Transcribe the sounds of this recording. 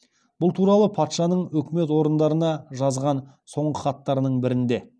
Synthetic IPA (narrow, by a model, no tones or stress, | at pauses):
b̥ʊlˠt̪ʰuɾɑlˠəpʰɑt̪ʃɑnəɴɵkʲɪme̞t̪wo̞ɾənd̪ɑɾənɑʒɑzʁɑn | so̞ɴʁəχɑt̪ːɑɾnəɴbɪɾɪnd̪e̞